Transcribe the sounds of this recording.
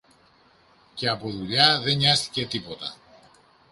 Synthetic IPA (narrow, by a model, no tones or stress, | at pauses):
ce̞ɐpo̞ðuʎɐðe̞ɲɐst̪i̥ce̞t̪ipo̞t̪ɐ̰